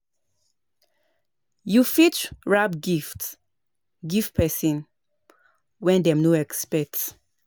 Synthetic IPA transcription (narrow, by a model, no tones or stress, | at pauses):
jufit͡ʃɹabɡift | ɡifpʰɛsĩn | wɛ̃ndɛ̃mnoɛkspɛt